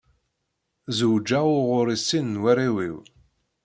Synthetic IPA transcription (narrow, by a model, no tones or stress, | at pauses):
zuwd͡ʒːaʊʁʊɾisinːwæriwḭw